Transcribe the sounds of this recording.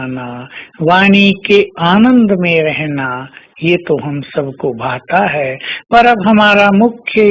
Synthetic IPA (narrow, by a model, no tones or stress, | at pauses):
naʋaːñikeaːnə̃nd̪mẽɾɛɦna | jet̪oɦɐmsɐbʱkobʱaːt̪aɦɛpɐɾɐbɦɐmaːɾamʊkʰjə